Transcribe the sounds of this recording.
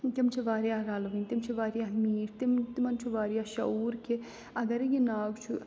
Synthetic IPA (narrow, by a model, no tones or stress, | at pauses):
t̪imt͡ʃʰiʋaːɾijaːɾaːlʋɐnt̪imt͡ʃʰiʋaːɾjaɦmiːɾt̪imt̪imɐnt͡ʃʰuʋaːɾijaːʃɐ̰uːɾki | ɐɡɐɾjinaːɡt͡ʃʰu